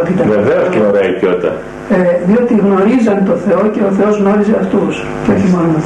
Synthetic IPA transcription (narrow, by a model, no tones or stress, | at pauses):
t̪it̪ɐneðeenoɾɐtot̪ɐ̰ | eðio̞t̪iɣno̞ɾizɐnt̪o̞θe̞o̞ce̞oθe̞o̞zɣno̞ɾizeɐft̪us | ceo̞çimo̞non